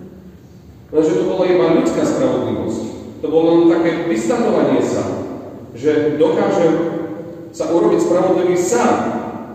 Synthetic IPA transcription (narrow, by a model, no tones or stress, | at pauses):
lɛnʒɛt̪ɔbɔlaid̪baʎut͡skaːspɾaʋɔd̪liʋɔ̰sct̪ɔbɔlɛnt̪akɛːʋist̪aɔʋaɲɪɛsa̰ | ʒɛd̪ɔkaːʒɛm | saʔuɾɔbicspɾaʋɔd̪liʋiːsat̪